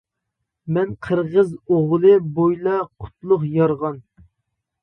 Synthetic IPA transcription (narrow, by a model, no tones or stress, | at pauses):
mɛnqʰəɾʁəzoʁlˠɨbojlˠɑqʰʊ̥t̪̚ʰlˠʊχjɑɾʁɑn